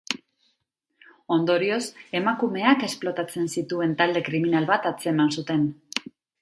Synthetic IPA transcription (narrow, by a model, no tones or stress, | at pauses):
o̞nd̪o̞ɾio̞se̞makume̞ake̞splo̞t̪at͡se̞nsit̪ue̞nt̪ald̪e̞kɾiminalβat̪at͡se̞mansut̪e̞n